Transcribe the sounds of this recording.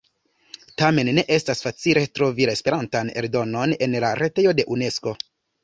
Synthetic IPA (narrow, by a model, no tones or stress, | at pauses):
tame̞nːe̞ʔe̞stasfat͡sile̞tɾo̞vilaespe̞ɾantane̞̰ɾdo̞no̞ne̞nlaɾe̞te̞jo̞de̞ʔune̞sko̞